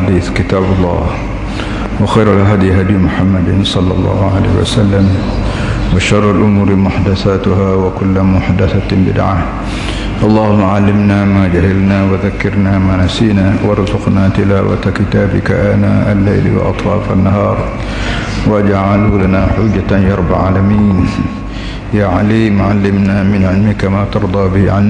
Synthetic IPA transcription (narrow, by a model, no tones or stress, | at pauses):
ad̪iːθkɪt̪aːbɑlˤːɑ̰ːh | wɪxajɾalɦad̪jɦad̪jmʊħamːad̪sˤɑlːɑ̰lˤːɑ̰ːhʊʕala̰ːhɪwa̰salːam | waʃɑrˤːalʔʊmuːɾmʊħd̪aθaːt̪ʊhaːwakʊlːmʊħd̪aθabɪ̰d̪ʕa̰ | ʔɑlˤːɑːhʊmːaʕalːɪmnaːmaːd͡ʒahalnawaðakːɪɾnamaːnasiːnawɑɾˤzʊqnat̪ɪlaːwa̰t̪akɪt̪aːbɪka̰ʔana̰ːʔalːajl̰wɪ̰ʔɑ̰t̪ˤfɑ̰ːfʔa̰nːaɦɑːɾˤ | waʔad͡ʒʕalulanaħʊd͡ʒːajɑɾˤbaʕa̰ːlamiːn | jaːʕaliːmʕalːɪmnamɪnʕɪlmɪkamaːt̪ɑɾˤd̪ˤɑːbɪhʕan